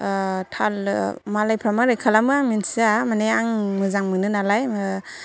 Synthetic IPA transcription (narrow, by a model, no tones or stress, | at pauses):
tʰalmalajpʰɾamaɾajkʰalamɯaŋminsiamaneaŋmɯzaŋmɯnɯnalajm